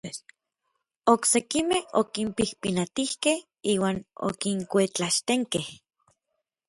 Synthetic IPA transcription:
oksekimeho̰kimpihpinat̪ihkeh | iːwaːno̰kiŋkʷet͡ɬaʃt̪eŋkeh

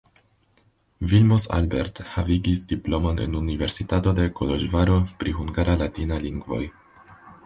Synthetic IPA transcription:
vilmosa̰lbe̞̰ɾthaviɡisdiplo̞mo̞nḛnunive̞ɾsitato̞de̞koloʒvaɾo̞pɾiɦuŋɡaɾalatinaliŋɡvo̞̰j

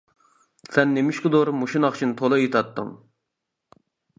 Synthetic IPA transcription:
sɛnːemɪʃkɨd̪oɾmuʃinɑχt͡ʃʰint̪ʰolˠɨjet̪ʰɑt̪ːɨ̰ŋ

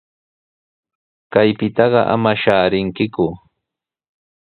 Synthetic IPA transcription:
kajpɪt̪ɑɢɑʔa̰maʃaːɾɪŋkɪkʊ

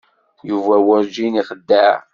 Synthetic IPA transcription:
juvæwæɾd͡ʒiniχəd̪ːə

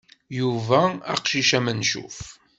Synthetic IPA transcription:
juvæɑ̰qʃiʃæmənʃṵf

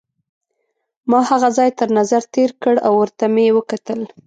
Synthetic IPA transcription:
mɑhaɣazɑjt̪əɾnazaɾt̪eɾkəɽawwəɾt̪amewəkat̪əl

